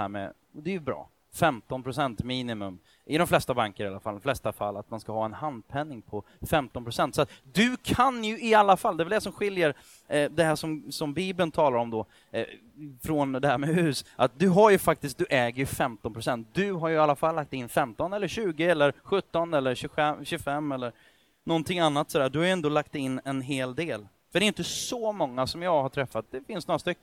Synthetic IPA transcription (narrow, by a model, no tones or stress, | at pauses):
æ̰ːɾmɛ̰ | ɔd̪ɛjɵbɾɑ̰ː | fɛmt̪ɔnpʰɾʊsɛnt̪miːnɪmɵ̰m | ʔɪd̪ɔmflɛst̪abaŋkəɾɪa̰lːa̰fald̪mflɛst̪afa̰lːat̪̚manskahɑːɛnhand̪̚pʰɛnːɪŋpʰɔ | fɛmt̪ɔnpʰɾʊsɛnt̪sɔat̪d̪ɵkʰanjɵɪalːafald̪ɛvɛld̪ɛsɔmɧɪljəɾ | d̪ɛɦæːʂɔmsɔmbiːbənt̪ʰɑːlaɾɔmd̪ɔ | fɾɔnd̪ɛhæːɾmɛhʉ̟ːsʔat̪̚d̪ɵɦaɾjɵfak̚t̪ɪskt̪̚d̪ɵʔɛːɡəɾjɵfɛmt̪ɔnpɾʊsɛnt̪̚d̪ɵɦaɾjɵalːafalːak̚t̪ɪnːfɛmt̪ɔnɛlːəɾɕʉ̟ːɡəɛlːəɾɧɵt̪ːɔnɛlːəɾɕʉɛɕʉɡfɛmːɛlːəɾ | nɔnt̪ʰɪŋːanːat̪ːsɔd̪æːɖɵhaɾjɛnd̪oːlak̚t̪ɪnːɛnɦeːld̪eːl | fœɖɛːjʏnt̪əsɔmɔŋːasɔmjɑːɡhaʈʰɾɛfːat̪̚d̪ɛfɪnsnoːɾast̪ʏkː